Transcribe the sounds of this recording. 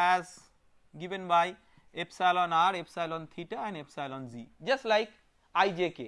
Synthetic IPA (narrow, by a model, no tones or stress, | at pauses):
æz | ɡivẽnbaj | epsalɔnaɾepsajlɔ̃nt̪ʰiʈəɛ̃nepsajlɔ̃nzid͡ʒɐsʈlajk | ajd͡ʒeke